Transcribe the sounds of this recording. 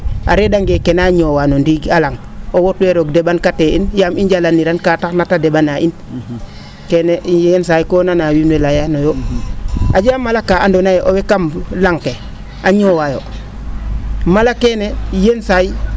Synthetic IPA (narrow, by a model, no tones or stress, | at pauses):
a̰ɾedaŋɡekenaɲoːwanondiɡalaŋowotweɾoɡdebankateinjamiɲɟalanːiɾankataknatadebanaʔin | keneens̬ajkoːnanawunwelajanojo | ad͡ʒamːalakːaandonajoʔowekamlaŋke | aɲowajo | malakenejensaji